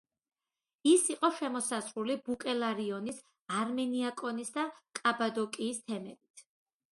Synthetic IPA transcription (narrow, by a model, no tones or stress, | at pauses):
isiqʼɔʃɛmɔsazɾulibukʼɛlaɾiɔnis | aɾmɛniakʼɔnisd̪akʼabad̪ɔkʼiːst̪ʰɛmɛbit̪ʰ